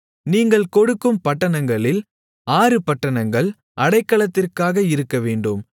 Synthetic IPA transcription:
niːŋɡɐɭkɔɽɯkːɯmpɐʈːɐɳɐŋɡɐɭɪl | aːɾɯpɐʈːɐɳɐŋɡɐɭ | ʔɐɽɐɪkːɐɭɐt̪ːɪrkaːɣɐɪɾɯkːɐʋeːɳɖɯm

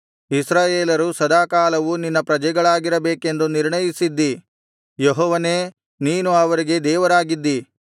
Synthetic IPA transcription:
isɾaːjeːlɐɾusɐd̪aːkaːlɐʋuninːɐpɾɐd͡ʒɛɡɐɭaːɡiɾɐbeːke̞nd̪uniɾɳɐjisid̪ːi | jɔɦɔːʋɐne̞ː | niːnuɐʋɐɾiɡe̞d̪ɛːʋɐɾaːɡid̪ːi

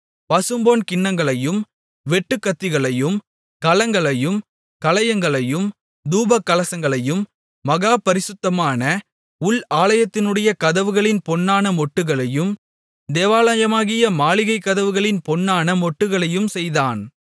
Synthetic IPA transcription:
pɐsɯmboːnkɪɳːɐŋɡɐɭɐjɯm | ʋɛʈːɯkːɐt̪ːɪɣɐɭɐjɯm | kɐlɐŋɡɐɭɐjɯm | kɐlɐjɐŋɡɐɭɐjɯm | d̪uːbɐkːɐlɐsɐŋɡɐɭɐjɯmː | ɐɣaːpɐɾɪsɯt̪ːɐmaːnɐ | ʊɭaːlɐjɐt̪ːɪnɯɽɐjɐkɐðɐʋɯɣɐɭɪnpɔnːaːnɐmɔʈːɯɣɐɭɐjɯm | d̪eːʋaːlaːjɐmaːɣɪjɐmaːɭɪɣɐɪkːɐðɐʋɯɣɐɭɪnpɔnːaːnɐmɔʈːɯɣɐɭɐjɯmsɛjðaːn

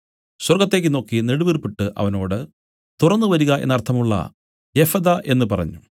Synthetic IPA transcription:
swɐrɡɐt̪ːe̞ːkːɨno̞ːkːineɽuʋirpːiʈːɨʔɐ̰ʋɐno̞ːɽɨ | t̪urɐnːɨʋɐɾuɣɐʔe̞̰nːɐrt̪ʰːɐmuɭːɐ̰ | jefɐd̪ɐʔe̞nːɨpɐrɐ̰ɲːu

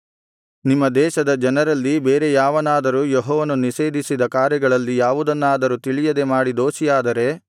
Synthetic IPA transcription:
nimːɐd̪ɛːʃɐd̪ɐd͡ʒɐnɐɾɐlːibeːɾe̞jaːʋɐnaːd̪ɐɾujɔɦɔːʋɐnuniʃe̞ːd̪isid̪ɐkaːɾjɐɡɐɭɐlːijaːʋud̪ɐnːaːd̪ɐɾut̪iɭijɐd̪e̞maːɽid̪o̞ːʃijaːd̪ɐɾe̞

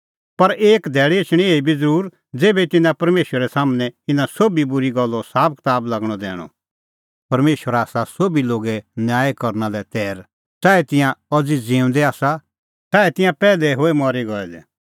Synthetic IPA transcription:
pɐɾeːkd̪ʱɛːɭeɪt͡ʃʰɽ̃ĩeːibʱid͡zəɾuːɾ | d͡zeːbɛt̪ɪnãpɐɾmeːʃwəɾɛsaːmnɛ̃ɪnãsobibʊɾiɡɐlːɔsaːp̚kɪ̥t̪aːblɐɡɽ̃ɔd̪ɛ̰ːɽ̃ɔ̰ | pɐɾmeːʃwəɾaːsasobiloːɡɛnjaːekɐɾnalɛt̪ɛːɾ | t̪aːɛt̪ɪ̃jãɔd͡zid͡zẽːʊ̃nd̪ɛaːsa | t̪aːɛt̪ɪ̃jãpɛːlɛɦoːɛmɔːɾiɡɔɛd̪ɛ̰

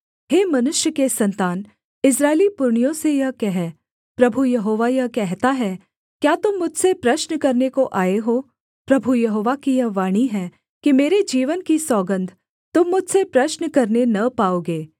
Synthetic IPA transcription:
heːmɐnʊʃjəkesɐ̃nt̪aːn | ɪs̬ɾaːelipʊɾɳijõsejɐɦkɛɦɛ | pɾɐbʱujɐɦoːʋajɐɦkɛɦt̪aɦɛ | kjaːt̪ʊmːʊd͡ʒʱsepɾɐʃnəkɐɾnekoʔaːeɦoː | pɾɐbʱujɐɦoːʋakijɐɦʋaːɽ̃iɦɛ | kimeːɾed͡ʒiːʋənkisɔːɡə̃nd̪ʱ | t̪ʊmːʊd͡ʒʱsepɾɐʃnəkɐɾnenɐpaːoːɡeː

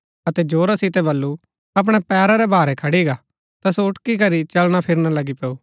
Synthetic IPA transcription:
ɐt̪ɛd͡ʒoːɾasɪt̪ɛbɐlːu | ɐp̬ɽ̃ɛpɛːɾaɾɛbʱaːɾɛkʰɐɽiɡa | t̪ɐsoʊʈkikɐɾit͡ʃɐlɽ̃apʰɪɾnalɐɡipɛuː

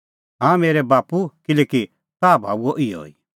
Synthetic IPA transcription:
ɦãmeːɾɛbaːpukɪlɛːki | t̪aːbʱaːbuoʔɪo̰ːḭ

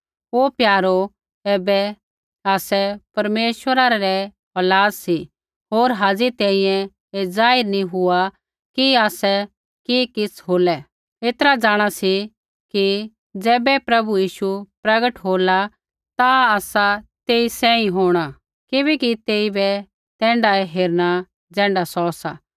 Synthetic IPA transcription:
oːpjaːɾo | ɛːbɛ | aːsɛpɐɾmeːʃwəɾaɾaɾɛ | ɐlaːssi | ɦoːɾɦaːd͡zit̪ɛ̃ĩjɛ̃ | ed͡zaːɪɾnĩɦʊa | kiaːsɛ | kiːkɪt͡sʰɦoːlɛ | et̪ɾad͡zaːɽ̃asi | ki | d͡zɛːbɛpɾɐbujiːʃupɾɐɡəʈɦoːla | t̪aaːsat̪eːisɛ̃ːĩɦoːɽ̃a | kɪbɛkit̪eːibɛ | t̪ɛ̃ːɳɖaɛɦeːɾɽ̃a | d͡zɛ̃ːɳɖasɔːsa

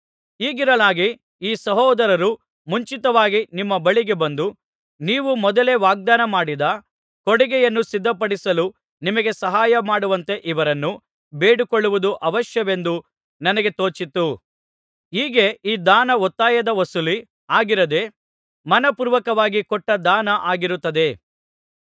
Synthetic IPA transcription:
iːɡiɾɐlaːɡi | iːsɐɦɔːd̪ɐɾɐɾu | muɲt͡ʃit̪ɐʋaːɡinimːɐbɐɭiɡe̞bɐnd̪u | niːʋumɔd̪ɐle̞ʋaːɡ̚d̪aːnɐmaːɽid̪ɐ | kɔɽɛɡɛjɐnːusid̪ʱːɐpɐɽisɐlu | nimɐɡe̞sɐɦaːjɐmaːɽuʋɐnt̪e̞ʔiʋɐɾɐnːu | beːɽukoɭːuʋud̪uʔɐʋɐʃjɐʋe̞nd̪u | nɐnɐɡe̞t̪o̞ːt͡ʃit̪u | iːɡe̞iːd̪aːnɐɔt̪ːaːjɐd̪ɐʋɐsuli | aːɡiɾɐd̪e̞ | mɐnɐpuːɾʋɐkɐʋaːɡikɔʈːɐd̪aːnɐʔaːɡiɾut̪ːɐd̪e̞

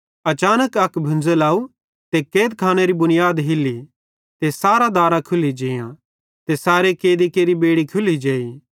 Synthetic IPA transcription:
ɐt͡ʃaːnəkɐkbʱʊ̃nd͡zəlaːu | t̪ekeːd̪̚kʰaːñeɾibʊnɪjaːd̪ɦɪlːi | t̪esaːɾad̪aːɾãkʰʊlid͡ʒeːjã̰ | t̪esaːɾekeːd̪ikeːɾibeːɽikʰʊlid͡ʒeːi

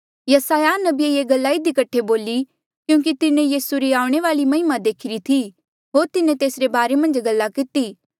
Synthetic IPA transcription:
jɐsaːjanɐbieeːɡɐlːaːid̪ikɐʈʰeboːli | kjũːk̬it̪ɪnẽjiːsuɾiaːʊ̃ɽ̃eʋaːlimɐɦɪmad̪eːkʰɪɾit̪ʰi | ɦoːɾt̪ɪnẽt̪eːsɾebaːɾemɐ̃nd͡ʒɡɐlːakɪt̪iː

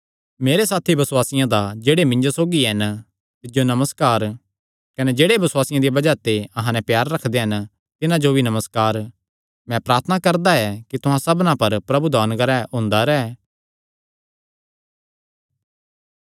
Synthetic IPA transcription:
meːɾesaːt̪ʰibɐswaːsɪjãd̪ad͡ʒeːɽemɪ̃ɲd͡ʒosoːɡiɦɛn | t̪ɪd͡ʒonɐməskaːɾ | kɐned͡ʒeːɽebɐswaːsɪjãd̪ibɐd͡ʒat̪eɐɦãnɛ̃pjaːɾːɐkʰd̪eɦɐn | t̪ɪnãd͡ʒobʱinɐməskaːɾ | mɛ̃pɾaːɾt̪ʰənakɐɾd̪aɛkit̪ʊɦãsɐbnãpɐɾpɾɐbud̪aːnɡəɾɛɦõːnd̪aɾɛː

